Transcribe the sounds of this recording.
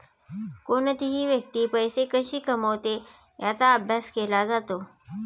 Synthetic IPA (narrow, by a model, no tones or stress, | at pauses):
koɳt̪iɦiːʋjəkt̪iːpəjsekəɕiːkəməʋt̪e | jat͡saəbʱjaskelad͡zat̪o